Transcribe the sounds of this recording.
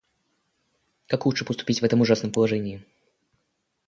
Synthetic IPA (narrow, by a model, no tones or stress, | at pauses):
kakxutʂɨpəst̪ʊ̥pʲit͡sʲvɛt̪əmʊʐasnəmpəlˠaʐɛnʲɪjɪ